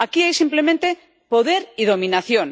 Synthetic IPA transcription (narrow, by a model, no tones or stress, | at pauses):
akiajsimplemẽnt̪e | poðeɾiðomĩnaθjon